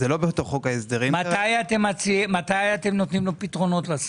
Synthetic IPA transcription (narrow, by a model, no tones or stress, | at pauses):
zelobeot̪oχokaesd̪eʁimat̪ajate̞mat͡simat̪ajat̪emnot̪nimlopitʁo̞no̞t̪las